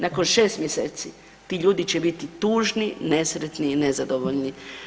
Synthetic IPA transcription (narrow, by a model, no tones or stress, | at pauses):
nako̞nʃe̞ːst̪mjeseːt̪si | t̪iːʎuːd̪it͡ɕebit̪it̪uːʒnine̞sɾet̪niːne̞zad̪oʋoʎni